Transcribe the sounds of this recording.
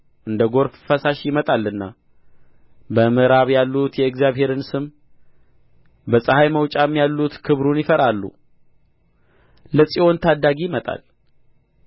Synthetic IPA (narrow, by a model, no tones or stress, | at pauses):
ʔɨnd̪əɡo̞ɾffəsaʃjɪmət̪ʼalːɨnːa | bəmɨɾaβjalːut̪jɛɨkzjaβhe̞ɾɨnsɨm | bəsʼəhajməwt͡ʃʼaɛmːijalːut̪kʰɨβɾunjɪfəɾalːṵ | ləsʼio̞nt̪ʰad̪ːaɡimət̪ʼa̰l